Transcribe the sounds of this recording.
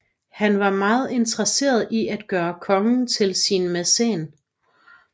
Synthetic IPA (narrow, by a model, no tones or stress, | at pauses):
hænʋɑ̈mɑ̈ːð̞̩ˠe̝nt͡sʰʁɐse̝̰ːɐð̞ˠiʔæd̥̚ɡ̥ɶːɐkʰɒ̽ŋn̩t͡sʰe̝lsinmesḛːn